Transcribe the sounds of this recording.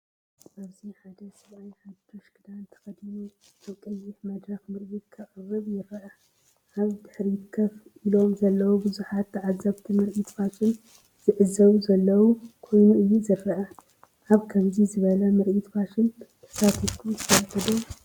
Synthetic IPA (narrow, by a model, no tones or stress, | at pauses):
ʔaβziħad̪ɐsɐβajħad̪oʃɡɨd̪ant̪ʰɐ̥xɐd̪inu | t̪ɐβkʼɐjːɪħmɐd̪ɾɐxmɨɾʔit̪kʰɐɣʼɨrːɨβjɪɾɐʔɐ | ʔaβt̪ʰɨ̥ħɾiɪt̪kʰːɐfʔilo̞mzɐlːɐwobɨzuħat̪ːʕazɐβt̪ʰimɨɾʔit̪faʃɪn | z̥ɨʕɨzɐβuzɐlːɐwukʰo̞jnuʔɨjːuzɨɾːɐʔa | ʔaβkʰɐmzizɨβɐlɐmɨɾʔit̪faʃɪnt̪ʰɐ̥sat̪ʰifkʰut̪ʰɨ̥fɐlt̪ʰɐd̪u